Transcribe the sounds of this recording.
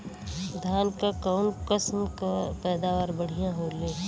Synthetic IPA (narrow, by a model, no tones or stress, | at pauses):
d̪ʱaːnkakaːmkəsmkapɛːd̪aːʋaːɾbəɽ̤ijãɦoːleː